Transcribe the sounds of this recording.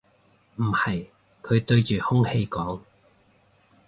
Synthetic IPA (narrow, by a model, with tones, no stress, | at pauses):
m̩˨˩hɐ˨j | kʰɵ˨˧t̪ɵ˧ɥt͡ʃyː˨hʊ˥ŋhe˧jkɔː˨˥ŋ